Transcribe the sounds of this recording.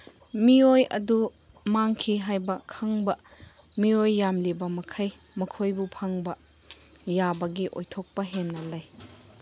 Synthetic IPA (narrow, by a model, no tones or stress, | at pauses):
miojɐ̰du | maŋkʰiɦajbɐkʰɐŋbɐ | miojːamlibɐmɐkʰɐj | mɐkʰojbupʰaŋbɐ | jabɐɡiʔo̰jtʰɔk̚pɐɦenːɐlɐj